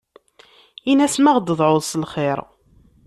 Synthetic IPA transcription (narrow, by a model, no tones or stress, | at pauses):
inæsmæʁd̪əðˤʕoðˤslχɪɾˤ